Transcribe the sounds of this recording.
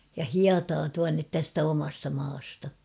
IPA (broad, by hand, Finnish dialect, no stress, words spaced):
jɑ hiɑtɑː tuɑnːet tæstæ omɑstɑ mɑːstɑ